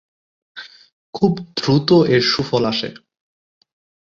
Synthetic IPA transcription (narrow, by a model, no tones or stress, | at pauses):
kʰubd̪ʱɾut̪oʔeɾʃufolaʃḛ